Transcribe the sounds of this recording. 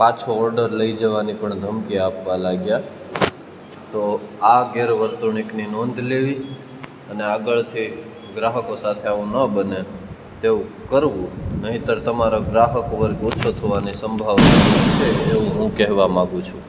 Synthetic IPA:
pãt͡ʃʰoɔɾɖəɾləid͡ʒəʋanipəɳd̪ʱəmkiapʋalaɡja | t̪oaɡeɾʋəɾt̪uɳ̃ikninɔnd̪ʱleʋi | əneaɡəɭt̪ʰi | ɡɾaɦəkosat̪ʰeaʋũnəbəne | t̪eũkəɾʋũnəɦĩt̪əɾt̪əmaɾoɡɾaɦəkoʋəɾot͡ʃʰot̪ʰəʋanisəmbʱaʋnat͡ʃʰeːʋũɦũkɛɦʋamãɡũt͡ʃʰũ

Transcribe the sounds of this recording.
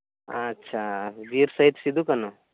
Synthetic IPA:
ɐtːɕʰad͡ʒiːɾsɐɦit̪sid̪ʱukɐno

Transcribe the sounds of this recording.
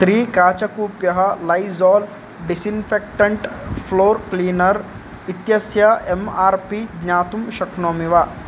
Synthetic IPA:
t̪ɾiːkaːt͡ʃɐkuːpjɐɦɐ̆lɐjzɔːl | ɖisinfʰek̚ʈɐɳʈpʰloːɾkliːnɐɾ | it̪jɐsjɐemaːɾpiɡɲaːt̪umʃɐknoːmiʋaː

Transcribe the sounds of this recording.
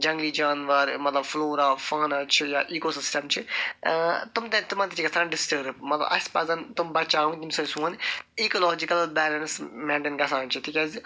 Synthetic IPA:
d͡ʒɐ̃ŋɡlid͡ʒaːnʋɐɾmɐt̪lɐbfloːɾafaːnat͡ʃʰijaʔiːkosɪsʈɐmt͡ʃʰi | t̪umt̪ẽt̪umaːt̪it̪ʰikɐsanɖɪsʈəːɾpmɐt̪lɐ̰bɐ̰spɐsɐnt̪umbɐɾt͡ʃaːũɡt̪imsɐsũɐneːkolɔːd͡ʒikɐlbɛːlɐnsmɛ̃ːɳʈenɡɐsaːnt͡ʃʰit̪ʰikɐz

